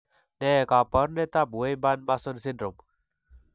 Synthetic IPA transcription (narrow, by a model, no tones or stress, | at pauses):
nekapəɾnet̪abʱuejbanmasɔnsindɾom